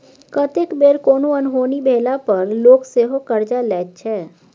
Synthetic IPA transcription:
kət̪ekbeːɾkoːnoɐnɦoːnibʱeːlapəɾloːkseːɦokəɾd͡ʒalɛːt̪̚t͡ʃʰɛː

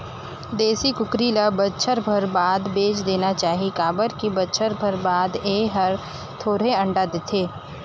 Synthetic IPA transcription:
d̪eːsikʊkɾilabətːʃʰəɾbʱəɾbaːd̪beːt͡ʃd̪eːnat͡ʃaːɦikaːbəɾkibətːʃʰəɾbʱəɾbaːd̪eːɦəɾ | t̪ʰoːɾeɐ̃ɳɖad̪ɪt̪ʰeː

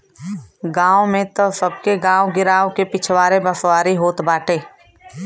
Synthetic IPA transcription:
ɡãːomẽt̪əsəb̚keɡãːoɡɪɾaːõkepɪt͡ʃʰwaːɾebɐswaːɾiɦoːt̪baːʈʰeː

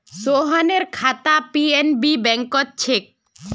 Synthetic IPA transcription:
soɦɔneɾkʰat̪apienbibɛŋkɔt̪̚t͡ʃʰek̚

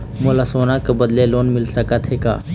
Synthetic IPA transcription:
molasoːnakebəd̪leloːnmɪlsəkət̪ʰɦeka̰ː

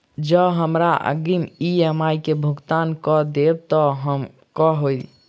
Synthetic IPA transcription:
d͡ʒəɦəmɾaʔə̰ɡimiəmajkebʱuɡt̪ankɔd̪ebt̪ɔɦəm | kɔɦojl

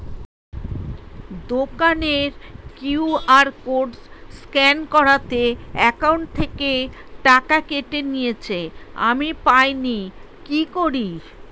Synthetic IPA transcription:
d̪okaneɾkuuaɾkoɖsskɛnkɔɾat̪eɛkawɳʈ̚t̪ʰːeke | ʈakakeʈenijet͡ɕʰea̰mipajni | kikoɾi

